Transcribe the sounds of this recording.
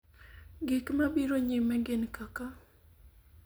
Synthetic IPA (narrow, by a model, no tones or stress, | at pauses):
ɡɪkmabiɾoɲɪmɛɡɪnkaka